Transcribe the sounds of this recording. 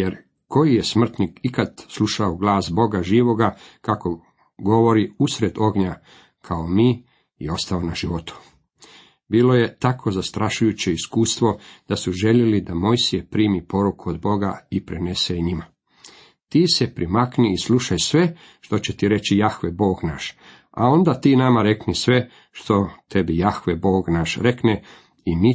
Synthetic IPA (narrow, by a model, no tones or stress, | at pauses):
jeɾ | ko̞jijesmr̩t̪nikikad̪slˠuʃaoɡlˠaːsbo̞ɡaʒiːʋo̞ɡakako̞ | ɡo̞ʋo̞ɾiusɾe̞d̪o̞ɡɲa | kʰaomiː | io̞st̪aonaʒiʋo̞t̪u̥ | biːlo̞je̞t̪akʰo̞zast̪ɾʔaʃujut͡ɕe̞iskuːst̪ʋo̞d̪̥asuʒe̞ʎelid̪amo̞jsijepɾiːmipo̞ɾukuod̪bo̞ɡaipɾene̞seɲima | t̪iːse̞pɾimakniːsluʃajsʋe̞ | ʃt̪o̞t͡ɕe̞t̪iɾe̞t͡ɕijaxʋebo̞ːɡnaʃ | a̰o̞nd̪at̪iːnamaɾe̞knisʋe̞ | ʃt̪o̞t̪e̞bijaxʋebo̞ːɡnaʃɾekne | imi